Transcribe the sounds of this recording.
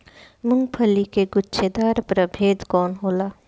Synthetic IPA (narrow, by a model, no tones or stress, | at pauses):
mʊŋɡpʰəlikeɡʊtːʃʰed̪aːɾpɾəbʱeːd̪kɔːnɦoːlaː